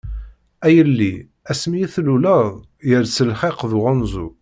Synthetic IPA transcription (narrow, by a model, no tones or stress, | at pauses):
æjəlːi | æsmiiθluləðˤ | jəɾsəlχeqðuʁɑnzˤṵ